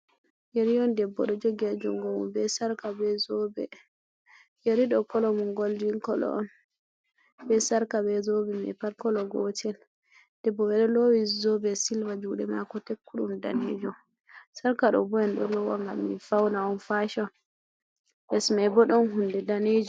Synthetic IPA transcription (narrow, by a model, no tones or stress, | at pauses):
jeɾiɔndɛbːɔɗɔd͡ʒoɡad͡ʒɔŋɡɔwṵmbɛsaɾkabɛzɔbɛ | jeɾiɗɔkɔlɔmuŋɡold͡ʒiŋkɔlɔ̰ʔɔn | bɛsaɾkabɛzɔbɛmɛ̰paɾkɔlɔɡɔtʰɛl | d̥ɛbːɔmɛɗɔlowizɔbɛsilvad͡ʒuɗɛmakɔtekːuɗṵmdaned͡ʒɔ | saɾkaɗɔ̰bɔjanɗɔlɔwa̰ŋɡa̰mːḭfawnaɔnfaʃɔn | bɛsmabɔɗɔnɦundɛdaned͡ʒɔ